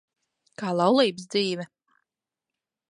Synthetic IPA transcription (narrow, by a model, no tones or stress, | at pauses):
kaːlˠɑwlˠiːbsd̪ziːvɛ